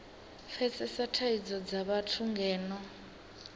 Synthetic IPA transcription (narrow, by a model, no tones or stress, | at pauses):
fɛt͡sʼɛsatʰaid͡zɔd͡zaβatʰuŋɡɛːnɔ